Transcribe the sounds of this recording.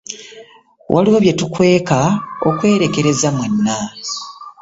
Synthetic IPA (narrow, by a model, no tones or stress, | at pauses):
wʔa̰liwoβje̞tukwe̞ːkao̰kwe̞ːɾe̞ke̞ɾe̞zamwenːa